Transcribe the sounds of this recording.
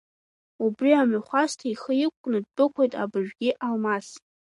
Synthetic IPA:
ubriamaχʷastʰaiχəjɪkʷʼkʷːʼnɨd̚bɨkʷʰejtʼa̰bɨʒʷᶣɡʲɪʔalmas

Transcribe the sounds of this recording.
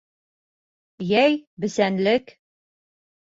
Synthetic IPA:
jæjbɘ̆sænlɘk

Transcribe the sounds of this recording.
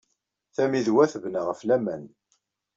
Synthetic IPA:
θæmiðwæθəvnəʁəflæmæn

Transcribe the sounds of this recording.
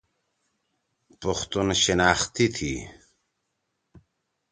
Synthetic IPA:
puxt̪unɕinaːxt̪it̪ʰi

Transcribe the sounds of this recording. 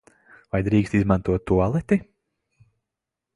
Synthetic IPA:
vajd̪ɾiːkst̪izmant̪uɔt̪ːualˠɛt̪ʲi

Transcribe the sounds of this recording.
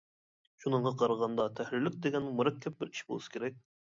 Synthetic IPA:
ʃunəɴʁɑqʰɑɾəʁɑnd̪ɑt̪ʰɛhlɪlyk̚ʲd̪eɡʲɛnmuɾɛkʲʰːɛp̚bɪɾi̥ʃbolˠusɨ̥kʲʰeɾɛk̚ʲ

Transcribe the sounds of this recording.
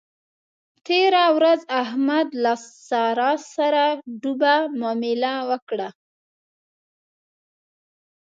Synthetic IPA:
t̪eɾawɾazahmad̪lassɑɾɑsaɾaɖubamɑmɪlawəkɽa

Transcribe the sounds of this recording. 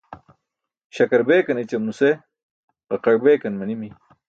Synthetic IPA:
ɕɐkɐɾbeːkɐnet͡ɕɐmnuse | ʁɐqɐɽbeːkɐnmɐnimi

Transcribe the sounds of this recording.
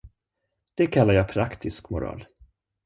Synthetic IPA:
d̪̥ɛkʰalːaɾjaːpʰɾakt̪ʰɪskmʊɾɑ̰ːl

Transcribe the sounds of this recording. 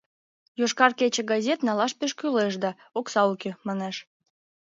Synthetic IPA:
joʃkɑrket͡ɕĕɡɑzʲet̪nɑlɑʃpeʃkyleʃd̪ɑ | oksɑukemɑneʃ

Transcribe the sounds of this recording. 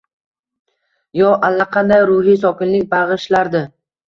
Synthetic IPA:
jɒʔalːaqʰɑnd̪ajɾʊɦis̬ɒkʲɪnlɪkʲbaʁɨʃlaɾd̪ɪ

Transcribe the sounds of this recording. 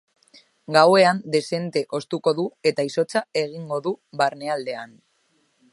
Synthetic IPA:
ɡawe̞and̪e̞se̞nt̪e̞ʔo̞st̪uko̞ðue̞t̪aiso̞t͡sae̞ɣ̞iŋɡo̞ðuβaɾne̞ald̪e̞an

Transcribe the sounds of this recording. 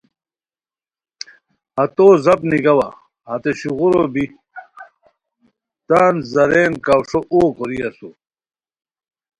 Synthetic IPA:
hɐt̪oːzɐpniɡɐwɐ̰ | hɐt̪eɕuɣuɾobi | t̪aːnzɐɾeːnkawʂoʔoːkoɾiɐsu

